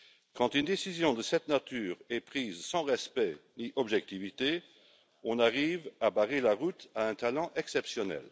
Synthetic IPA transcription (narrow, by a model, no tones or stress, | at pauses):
kɑ̃t̪ynd̪esizjɔ̃d̪əsɛt̪nat̪ʰyːʁɛpχiːzsɑ̃ʁɛspɛniʔɔbʒɛk̚t̪ivit̪e | ɔ̃naʁiːvabaʁelaʁut̪aɛ̃t̪alɑ̃ʔɛksɛpsjɔnɛ̰l